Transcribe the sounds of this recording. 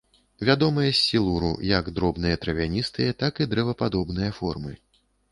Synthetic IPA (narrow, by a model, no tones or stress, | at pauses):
vʲad̪ɔmɐjɐsʲːilˠuɾṵjɐɡd̪ɾɔbnɨjɐt̪ɾɐvʲanʲist̪ɨjɐt̪akid̪ɾɛvɐpad̪ɔbn̪ɨjɐfɔrmɨ